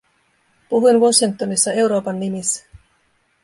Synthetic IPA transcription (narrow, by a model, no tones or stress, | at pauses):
puɦujnʋuosiŋk̚t̪o̞nisːɑe̞wɾo̞ːpɑnːimisːæ̥